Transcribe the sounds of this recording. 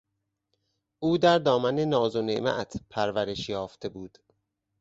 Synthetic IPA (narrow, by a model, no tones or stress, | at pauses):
ʔuːd̪æɾd̪ɒːmænenɒːzonemæ̰t̪ʰpʰæɾvæɾe̞ʃjɒːft̪ʰe̞buːd̪̥